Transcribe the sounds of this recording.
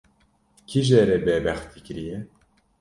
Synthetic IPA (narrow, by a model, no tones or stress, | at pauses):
kʰiʒɛɾɛbɛbɛxt̪ʰikɨɾijɛ